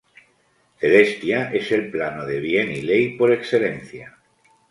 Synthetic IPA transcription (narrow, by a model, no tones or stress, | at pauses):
θe̞le̞st̪jaʔese̞lplanoðe̞βjenilejpo̞ɾe̞ksθe̞lẽn̟θja